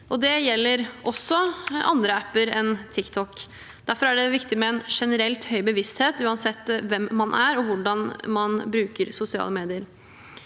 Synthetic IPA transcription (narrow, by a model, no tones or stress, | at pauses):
ʔɔd̪ɛjɛlːəɾʔɔsːɔʔɑ̰nd̪ɾəæpːəɾɛnt̪ʰɪkt̪ʰɔk | d̪̥æɾfɔɾæɖɛʋɪkt̪ɪmɛɛnʂɛnəɾɛlt̪hœʏbəʋɪst̪heːt̪ʉːɑnsɛt̪ːʋɛmːɑnʔæɾɔʋʊɖɑnmɑnbɾʉːkəɾsʊsɪɑ̰ːləmeːd̪ɪəɾ